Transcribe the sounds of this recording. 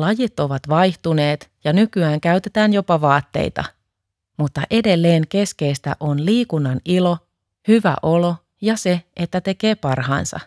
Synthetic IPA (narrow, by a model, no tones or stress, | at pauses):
lɑjit̪ːo̞ʋɑt̪ʋɑjht̪une̞ːt̪jɑnykyæːŋkæyɥt̪e̞t̪æːnjo̞pɑʋɑːt̪ːe̞̰ijt̪ɑ̰ | mut̪ːɑʔe̞de̞lːe̞ːŋke̞ske̞jst̪æ̰ʔo̞nliːkunːɑnilo̞ | hyʋæ̰ʔo̞lo̞ | jɑse̞et̪ːæt̪e̞keːpɑrɦɑ̰ːnsɑ̰